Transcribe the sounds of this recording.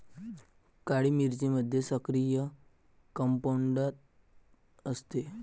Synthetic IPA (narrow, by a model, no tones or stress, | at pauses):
kaɽimiɾt͡ɕiməd̪ʱːjesəkɾijə | kəmpoɳɖət̪̚ | əst̪e